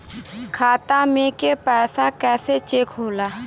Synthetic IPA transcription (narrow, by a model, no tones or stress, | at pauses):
kʰaːt̪amẽkepɛːsakɛːset͡ʃeːkɦoːlaː